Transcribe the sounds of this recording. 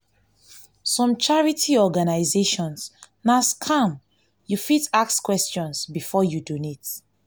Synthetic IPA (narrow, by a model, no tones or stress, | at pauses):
sɔ̃mt͡ʃaɹitʰiɔɡanaɪzeʃɔ̃ns | naskʰãm | jufitakskwɛst͡ʃɔ̃nsbifɔjudunit